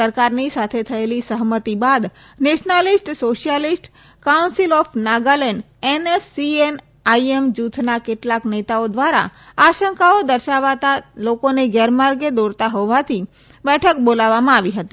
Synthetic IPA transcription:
əɾkaɾnisat̪ʰet̪ʰəelisəɦmət̪ibad̪ | neʃnalisʈsoʃijəlisʈ | kaunsilɔfʰnaɡalɛɳɖ | enesːien | aiemd͡ʒut̪ʰnakeʈlaknet̪aod̪ʋaɾa̰aʃəŋkaod̪əɾʃaʋat̪alokoneɡɛɾmaɾɡed̪oɾt̪aɦɔʋat̪ʰi | bɛʈʰək̚bolaʋːamãaʋiɦət̪i

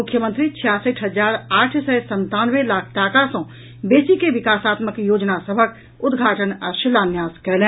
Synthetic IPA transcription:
ʊkʰːjəmə̃nt̪ɾit͡ʃʰijaːsəʈʰɦəd͡ʒaːɾaːʈʰsɛsə̃nt̪aːnwelaːkʰʈaːkasɔ̃ː | beːsikeʋɪkaːsaːt̪məkjoːd͡ʒnasəbʱək | ʊd̪ɡʱaːʈənəʃɪlaːnjaːskɛlẽː

